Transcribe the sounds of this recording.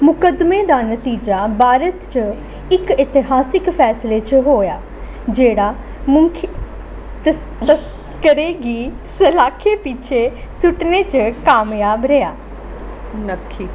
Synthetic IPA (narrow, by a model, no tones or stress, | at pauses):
mʊkəd̪med̪aːnət̪iːd͡ʒaːbaːɾət̪t͡ʃə | ɪkɪt̪ɪɦaːsɪkpʰɛːsleːt͡ʃɦoːjaː | d͡ʒeːɽaː | mʊŋkʰ | t̪ə | ə | kəɾeːɡiː | səlaːkʰeːpɪt͡ʃʰeːsʊʈneːt͡ʃəkaːmjaːbɾɛjaː | nəkʰːiː